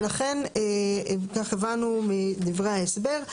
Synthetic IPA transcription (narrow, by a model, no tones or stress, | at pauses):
laχe̞nekaχevanumid̪ivʁehaesbe̞ʁ